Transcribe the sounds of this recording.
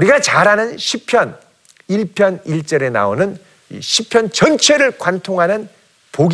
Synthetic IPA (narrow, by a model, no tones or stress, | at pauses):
uɾiɡat͡ɕaɾɦanɯnɕʰipʰjʌn | iɭpʰjʌniɭt͡ɕ͈ʌɾe̞na̰onɯn | ḭɕʰipʰjʌnt͡ɕʌnt͡ɕʰe̞ɾɯɭkwantʰoŋɦanɯn | poɡ